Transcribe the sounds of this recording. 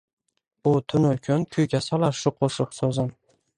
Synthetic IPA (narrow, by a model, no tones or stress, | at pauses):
ʊt̪ʰʊnʊlkʲʰʊnkʰʊjɡʲasɒlˠaɾʃʊqʰoʃʊqsozɪm